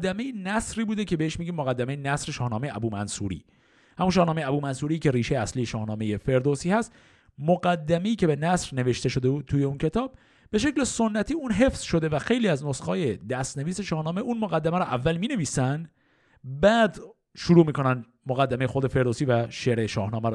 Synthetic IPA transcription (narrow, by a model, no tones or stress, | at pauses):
d̪ːæme̞jenæsɾiːbuːd̪ecʰe̞beheʃmiːɟʲiːmːoɣæd̪ːæmejenæsɾeʃɒːhnɒːmejeʔæbuːmænsṵɾḭː | hæmunʃɒːhnɒːmejæbuːmænsuːɾiːcʰe̞ɾiːʃejeæsliːjeʃɒːhnɒːme̞je̞fe̞ɾd̪osiːhæst̪ | moɡæd̪ːæme̞iːcʰebe̞næsɾne̞ve̞ʃt̪e̞ʃo̞d̪e̞buːd̪̚t̪ʰuːjeuncʰe̞t̪ʰɒːb̚ | b̥e̞ʃ̬e̞cleso̞nːæt̪ʰiːunɦe̞fz̥ʃo̞d̪e̞væxe̞jliːæznosxɒːje̞d̪æst̪ne̞viːse̞ʃɒːhnɒːmeʔuːnmoɣæd̪ːæmæɾɔʔævːælmiːne̞viːsænd̪ | bæːd̪ | ʃuɾuːmiːkʰo̞næn | moɣæd̪ːæmejexo̞d̪e̞fe̞ɾd̪osiːvæʃeɾeʃɒ̰ːhnɒːmæɾ